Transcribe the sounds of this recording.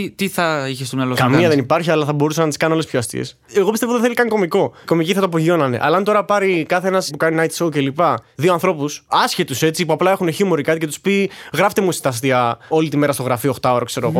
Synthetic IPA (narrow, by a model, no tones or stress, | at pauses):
it̪iθɐiçest̪omɲɐlokɐmiɐðenipɐɾçiɐlɐθɐbo̞ɾusɐnɐt̪iskɐnolespçoɐst̪ḭes | eɣo̞pist̪evoðiθelikɐnko̞miko̞ko̞miciθɐt̪oɐp̬oʝio̞nɐne̞̰ʔɐ̰lɐːnt̪o̞ɾɐpɐɾikɐθeenɐspukɐninɐjt̪i̥sowce̞lipɐðioɐnθɾo̞pusɐsçet̪use̞t͡sipuɐplɐe̞xuneçimoɾikɐt̪ice̞t̪u̥spiɣɾɐft̪e̞musi̥t̪ɐs̬t̪iɐo̞lit̪ime̞ɾɐst̪o̞ɣɾɐfioxt̪ɐo̞ɾɐkse̞ɾoɣo